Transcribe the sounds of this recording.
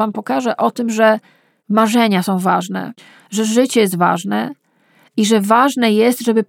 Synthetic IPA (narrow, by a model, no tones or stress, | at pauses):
ampɔkaʐɛʔɔt̪ɘmʐɛ | maʐɛɲasɔ̃w̃vaʐnɛ̰ | ʐɛʐɘt͡ɕɛjɛs̬t̪va̰ʐnɛ | iʐɛvaʐnɛjɛst̪ʐɛbɘ